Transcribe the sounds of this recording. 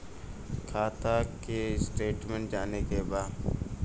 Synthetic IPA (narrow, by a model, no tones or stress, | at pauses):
kʰaːt̪ʰakesʈeːʈmẽɳʈd͡ʒaːnekebaːd